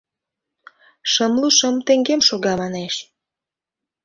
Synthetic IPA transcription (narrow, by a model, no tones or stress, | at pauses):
ʃəmluʃəmt̪eŋɡemʃoɣɑmɑneʃ